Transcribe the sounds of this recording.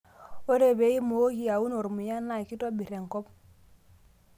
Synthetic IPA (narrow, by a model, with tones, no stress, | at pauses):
o˦ɾe˨be˨i˦mo˨o˦ɡi˦˨ja˨u˦no˨ɾmu˨ja˦na˦˨i˨ki˦to˦bi˨ɾe˨ŋ˨kɔ˦p̚